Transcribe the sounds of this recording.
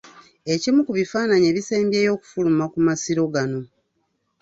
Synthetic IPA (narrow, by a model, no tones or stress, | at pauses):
e̞cimukuβifaːnaɲeːβise̞ːmbje̞ːjo̞ːku̥fulumakumasiɾo̞ɡano̞